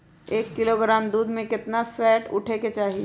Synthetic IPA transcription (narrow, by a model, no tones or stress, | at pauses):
eːkːɪloɡɾaːmd̪uːd̪mẽkɪt̪nafɛːʈʊ̰ʈʰeket͡ʃaːɦi